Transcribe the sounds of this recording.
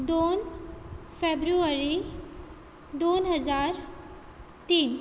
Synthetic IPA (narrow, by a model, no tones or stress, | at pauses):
d̪oːn | fʰeːbɾuəɾi | d̪oːnɦəzaːɾ | t̪iːn